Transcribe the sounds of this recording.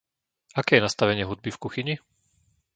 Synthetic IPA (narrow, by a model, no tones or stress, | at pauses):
akɛːjɛnast̪aʋɛɲɪɛɦud̪̚bifkuxiɲi